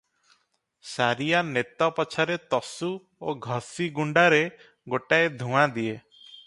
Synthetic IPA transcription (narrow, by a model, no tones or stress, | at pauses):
saɾijanet̪ɔpɔt͡ʃʰaɾet̪ɔsu | oɡʱɔsiɡuɳɖaɾe | ɡoʈaed̪ʱũad̪ie